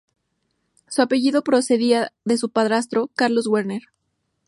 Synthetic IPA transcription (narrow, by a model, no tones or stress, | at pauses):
suape̞ʝiðo̞pɾo̞se̞ðiaðe̞s̬upaðɾas̬t̪ɾo̞kaɾlo̞zɣweɾne̞ɾ